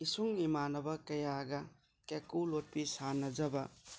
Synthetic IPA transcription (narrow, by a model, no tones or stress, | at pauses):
isuŋimanɐbɐkɐjaɡɐ | kekulot̚pisanːɐd͡ʒɐbɐ